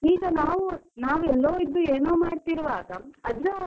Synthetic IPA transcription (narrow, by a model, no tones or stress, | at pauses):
iːɡɐnaːʋunaːʋɛlːoːid̪ːueːnoːmaːɖt̪iɾʋaːɡɐɐd̪ɾɐ